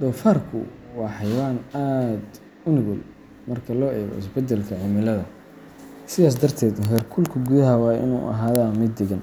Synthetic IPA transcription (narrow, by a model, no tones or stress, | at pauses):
d̪ɔːfaːrkʰʊ̰wɑːħɑjwaːnaːd̪ | ʊnɪɣʊl | mɐrkʰɐlɔːʔɛːɣɔ̰ɪ̰sbɛd̪ɛlkʰɐʕɪmɪlɐðɐ | sɪðaːs̬d̪ɐrt̪ʰɛːd̪hɛrkʰʊlkʰʊɡuðɐɦɐwɑːʔɪ̰nṵːʔɐ̰ɦaːðɐmɪd̪ːɪɡɐn